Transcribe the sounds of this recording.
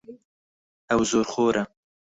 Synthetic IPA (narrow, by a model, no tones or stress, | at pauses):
awzoːɾχoːɾʔa